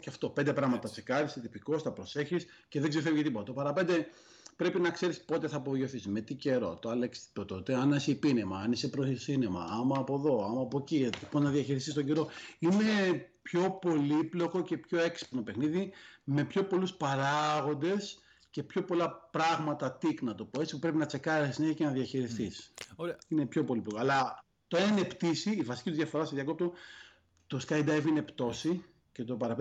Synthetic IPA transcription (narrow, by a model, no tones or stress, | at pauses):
cɐft̪o̞pe̞nd̪epɾɐɣmɐtt̪ɐsikɐɾiset̪ipiko̞sθɐpɾo̞se̞çis | ceðeɡzefevicet̪ipot̪ɐt̪opɐɾɐpe̞nd̪e̞ | pɾe̞pinɐkse̞ɾispo̞t̪e̞θɐːpoʝoθisme̞t̪ice̞ɾo̞̰t̪oɐleksi̥t̪ot̪ot̪eɐnesepinemɐɐnesepɾosinemɐ̰ɐmɐːpo̞ðo̞ɐmɐːpo̞ciiponnɐðiɐçiɾist̪ist̪oɟe̞ɾo̞ine̞pço̞po̞liplo̞ko̞ce̞pço̞e̞ksi̥pno̞pexniðime̞pço̞po̞luspɐɾɐɣo̞nd̪e̞s | ce̞pço̞po̞lɐpɾɐɣmɐt̪ɐt̪iknɐt̪o̞po̞et͡si̥pu̥pɾe̞pinɐt͡se̞kɐɾisisine̞çɐcenɐðiɐçiɾist̪isinepço̞po̞liplo̞koɐlɐ | t̪oenept̪isiːvɐsi̥cit̪uðʝɐfo̞ɾɐst̪iðjɐk̬o̞p̚t̪o | t̪o̞skɐjd̪ajvine̞pt̪o̞si | ce̞t̪o̞pɐɾɐp